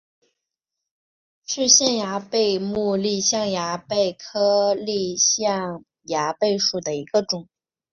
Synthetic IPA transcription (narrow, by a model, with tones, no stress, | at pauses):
ʂɻ̩˥˧ɕjɛ˥˩nja˧˥pe˥˧ɪmu˥˧li˥˧ɕjɑ˥˩ŋja˧˥pe˥˩ɪkʰɤ˥li˥˧ɕjɑ˥˩ŋ | ja˧˥pe˥˧ɪʂu˨˩d̪ə˩i˧˥ɡ̥ə˧ʈ͡ʂʊ˨˩˦ŋ